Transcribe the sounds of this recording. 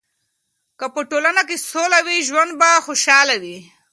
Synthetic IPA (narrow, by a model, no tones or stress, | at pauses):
kəpəʈolanakesolawiʒwand̪̚baxoʃɑlawi